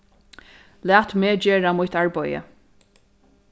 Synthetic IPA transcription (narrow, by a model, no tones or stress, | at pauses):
læːt̪meːd͡ʒeːɹamʊjt̪aɹbɔjə̰